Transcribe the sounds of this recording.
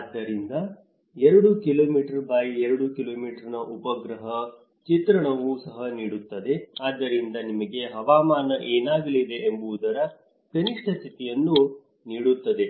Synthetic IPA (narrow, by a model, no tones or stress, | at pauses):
aːd̪ːɐɾind̪ɐ | ɛɾɐɽukilo̞ːmiːʈɐɾbaːjiɛɾɐɽukilo̞ːmiːʈɐɾnɐʔupɐɡɾɐɦɐ | t͡ʃit̪ɾɐɳɐʋusɐɦɐniːɽut̪ːɐd̪e̞aːd̪ːɐɾind̪ɐnimɐɡe̞ɦɐʋaːmaːnɐʔeːnaːɡɐlid̪e̞embuʋud̪ɐɾɐ | kɐniʂʈʰɐt͡ʃit̪ijɐnːu | niːɽut̪ːɐd̪e̞